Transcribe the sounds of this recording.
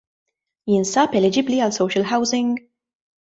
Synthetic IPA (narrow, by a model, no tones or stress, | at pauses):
jɪnsɐpɛlɛd͡ʒɪbliɐlsɔwʃəlɦɐwzɪ̃ŋɡ